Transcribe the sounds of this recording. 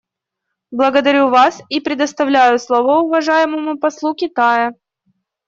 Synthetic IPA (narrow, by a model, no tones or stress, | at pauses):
blˠəɡəd̪ɐɾʲuvasipɾʲɪd̪əst̪ɐvlʲæjʊslˠovəʊvɐʐajɪməmʊpɐslˠukʲɪt̪ajə